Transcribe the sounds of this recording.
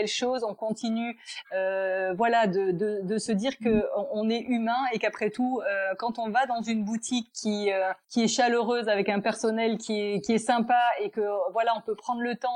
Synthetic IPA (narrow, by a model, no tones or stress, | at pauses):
ɛlʃozɔ̃kɔ̃t̪inyøvwalad̪əd̪əd̪əsəd̪iʁkəɔ̃nɛʔymɛ̃ekapχɛt̪uøkɑ̃t̪ɔ̃vad̪ɑ̃zynbut̪ʰikʰːiøːiɛʃaløʁøzavɛkɛ̃pɛʁsɔnɛlkʲiɛkʲiɛsɛ̃paekəvwalaɔ̃pøpχɑ̃d̪ʁlət̪ɑ̃